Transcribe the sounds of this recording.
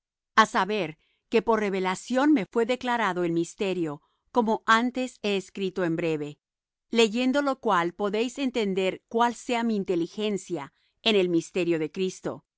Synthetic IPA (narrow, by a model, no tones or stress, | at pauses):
asaβe̞ɾ | ke̞po̞rre̞βe̞lasjo̞nme̞fwe̞ðe̞klaɾaðo̞elmist̪e̞ɾjo̞ | ko̞mo̞ʔant̪e̞se̞ːskɾit̪o̞e̞mbɾe̞βe̞ | le̞ʝe̞nd̪o̞lo̞kwalpo̞ðe̞jse̞nt̪e̞nd̪e̞ɾkwalse̞amiːnt̪e̞lixe̞nsja | ene̞lmist̪e̞ɾjo̞ðe̞kɾist̪o̞̰